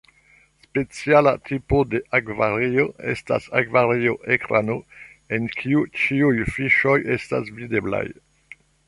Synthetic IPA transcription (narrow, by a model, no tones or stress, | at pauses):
spet͡siala̰t̪ʰipode̞ʔakvaɾioḛsta̰sakvaɾioʔekɾano | enkʰiut͡ʃiujfiʃo̞jesta̰svidebla̰j